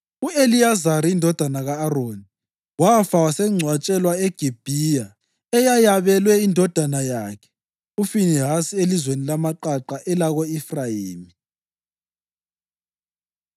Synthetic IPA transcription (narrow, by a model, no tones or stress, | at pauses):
uelijazaɾiːndʱɔd̥ʱanaɣaːroːni | wafawasɛŋ͡ǀʱwat͡ʃʼɛlwaeɡ̥ʱib̥ʱija | ɛjajaβɛlwɛindʱɔd̥ʱanajakʰɛ̥ | ufiniɦasielizwenilamaǃaǃaʔɛlaɣoifrajiːmi